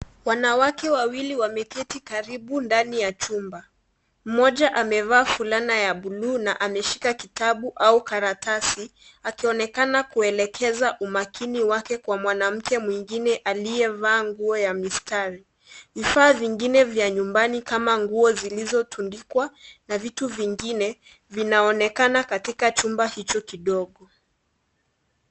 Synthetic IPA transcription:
wanawakɛwawiliwamɛkɛtikaɾiɓundanijat͡ʃumba | m̩mɔʄaʔamɛvaːfulanajaɓuluːnaʔamɛʃi̥kakitaɓuʔaukaɾatasi | akiɔnɛkanakuɛlɛkʰɛzaʔumakʰiniwakɛkwamwanam̩kɛmwiŋɡinɛʔalijɛvaːŋɡuɔjamistaɾi | vifaːviŋɡinɛvjaɲumbanikamaŋɡuɔzilizɔtʰundikwanavituviŋɡinɛ | vinaɔnɛkanakatikat͡ʃumbahit͡ʃɔkiɗɔɠɔ

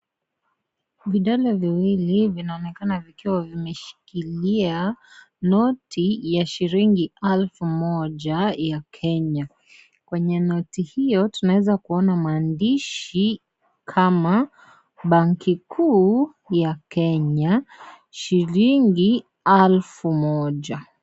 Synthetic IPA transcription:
viɗalɔviwilivinaɔnɛkanavikiwavimɛʃi̥kilia | nɔtʰijaʃiɾiŋɡiɛlfumɔʄajakʰɛɲa | kwɛɲɛnɔtihijɔtunawɛzakuɔnamaːndiʃi | kʰama | ɓaŋkikʰuː | jakɛɲa | ʃiɾiŋɡi | alfumɔʄa

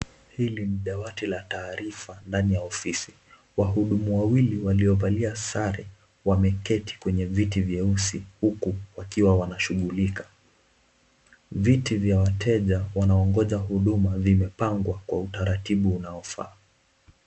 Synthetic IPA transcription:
hiliniɗawatilataːɾifandanijaɔfisi̥ | waɦuɗumuwawiliwaliɔvaliasaɾɛ | wamɛkɛtʰi̥kwɛɲɛvitivjɛusihukuwakiwawanaʃuɠulikḁ | vitivjawatʰɛʄawanaɔŋɡɔʄaɦuɗumavimɛpaŋɡwakwautaɾatiɓuːnaɔfa̰ː

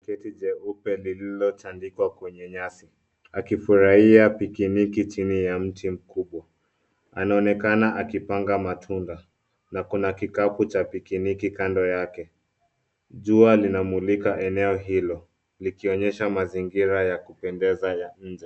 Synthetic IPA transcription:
kɛtid͡ʒɛupɛlililɔt͡ʃandikwakwɛɲɛɲasi | akifuɾahiapikinikit͡ʃinijam̩tim̩kuɓwa | anaɔnɛkanaʔakipaŋɡamatʰunda | nakunakikaput͡ʃapikinikikandɔjakɛ | ʄualinamulikaʔɛnɛɔɦilɔ | likiɔɲɛʃamaziŋɡiɾajakupɛndɛzajaɲ̩d͡ʒɛ

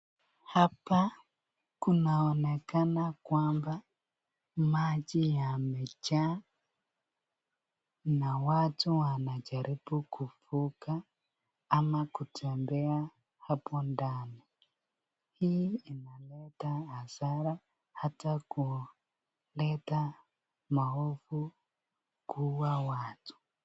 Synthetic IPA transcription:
hapa | kunaɔnɛkanakwaːmba | mad͡ʒijamet͡ʃa | nawatuwanad͡ʒaɾʔibukufukaː | makutʰɛmbɛa | hapɔndani | hiinalɛtaːzaɾa | hataku | lɛta | maɦofu | kuwawaːtʰu̥

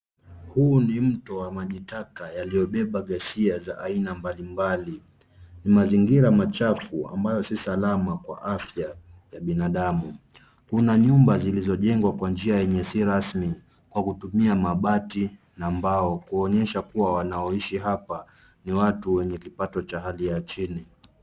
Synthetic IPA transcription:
huːnim̩tɔwamaʄitakajalijɔɓɛɓaɠɛsiazaʔainambalimbali | nimaziŋɡiɾamat͡ʃafua̰mbajɔsisalamakwa̰ʔafjajaɓinaɗamu | kunaɲumbazilizɔʄɛŋɡwakwand͡ʒiajɛɲɛsiɾasmi | kwakutumiamaɓati | naːmbaɔkuɔɲɛʃakuwawanaɔiʃiɦapa | niwatuwɛɲɛkipatɔt͡ʃaɦalijat͡ʃini

